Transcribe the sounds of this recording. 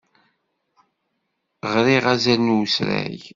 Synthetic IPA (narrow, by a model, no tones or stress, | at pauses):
ʁɾiʁæzænusɾæ̰j